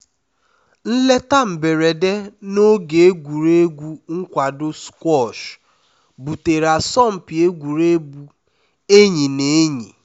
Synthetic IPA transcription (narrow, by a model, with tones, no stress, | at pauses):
n̩˦le˦ta˦m̩˨be˨ɾe˨de˦no˦ɡe˨e˦ɡʷu˨ɾe˦ɡʷu˦ŋ̩˦kʷa˨dʊ˦skwɔ˦˨ʃ | bu˨te˨ɾa˨sɔ˦˨m̩˨pi˨e˦ɡʷu˨ɾe˦bu˨ | e˦ɲi˨ne˨˦ɲi˨